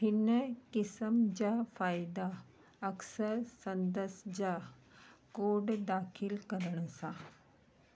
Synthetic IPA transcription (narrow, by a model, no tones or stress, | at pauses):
pinəkisəmd͡ʑafaːjd̪a | əksəɾsənd̪əsd͡ʑa | koɖd̪aːkʰilkəɾəɳ̃əsa